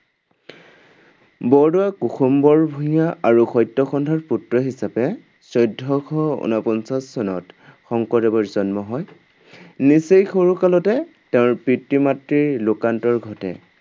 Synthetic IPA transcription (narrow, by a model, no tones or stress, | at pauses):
bɔɹdʊakuxumbɔɹbʱuɦijaaɹuxɔjtːɔxɔndʱaɹputɹɔɦisapɛ | sɔjdʱːɔkʰɔṵnapɔnsasːɔnɔtxɔŋkɔtɛbɔɹzɔnmɔɦɔj | nisejxoɹukalɔtɛ | tɛʊ̃ɹpɹitːimatɹiɹlʊkantɔɹɡʱɔtɛ̰